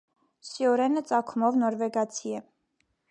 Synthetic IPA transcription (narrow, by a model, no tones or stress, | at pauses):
sjɔɾɛnət͡sʼɑkʰumɔvnɔɾvɛɡɑt͡sʰiɛ